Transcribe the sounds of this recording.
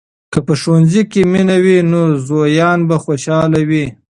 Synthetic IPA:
kəpəʃowanzikeminawinozojɑːnbaxoʃɑlawi

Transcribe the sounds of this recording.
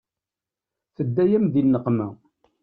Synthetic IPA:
θəd̪ːæjæmðinːəqmæ

